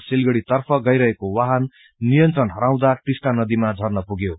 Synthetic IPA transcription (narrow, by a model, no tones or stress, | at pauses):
silɡʌɽit̪ʌrpʰʌɡʌjɾʌɦekowaɦʌnː | ijʌnt̪rʌnɦʌɾaw̃d̪aʈisʈanʌd̪imad͡zʱʌrnʌpuɡjo